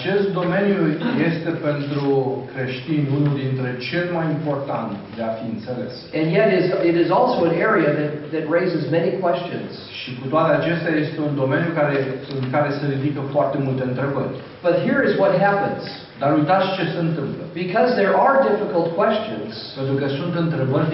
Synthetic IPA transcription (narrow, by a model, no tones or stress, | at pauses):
at͡ʃe̞st̪̚d̪o̞me̞njuje̞st̪e̞pe̞nt̪ɾukɾe̞ʃt̪inʲunuld̪int̪ɾe̞t͡ʃe̞lmajimpo̞rt̪a̰nt̪d̪e̞afiɨnt̪se̞le̞̰sɨ̃njɛɾɪzɪɾɪzɔlˠsoʊə̃nɛɹiɨðɨt̪̚ðɨt̚ɹeɪzɨzmɛnikʰw̥ɛst͡ʃɨ̰̃nz̥ʃikut̪oat̪eat͡ʃe̞st̪eaje̞st̪e̞und̪o̞me̞njukaɾeɨnkaɾe̞seɾid̪ikəfoart̪e̞mult̪e̞ɨnt̪ɾe̞bə̰rʲ | b̥ʌt̚ɦiɹɨzwʌt̚ɦæpə̃nz̥ | d̪aɾujt̪at̪sʲt͡ʃe̞seɨnt̪ɨmpləb̥ikʰʌzðə˞ʔə˞dɪfɨkəlˠt̚kʰw̥ɛst͡ʃɨ̰̃nz̥pent̪ɾukəsunt̪ɨnt̪ɾe̞bərʲ